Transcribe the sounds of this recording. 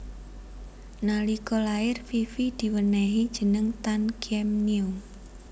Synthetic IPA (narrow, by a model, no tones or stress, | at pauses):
nalikolaɪrfifid̪̥i̤wənɛɦid̥ʒ̥ə̤nəŋt̪ankiɛmniʊ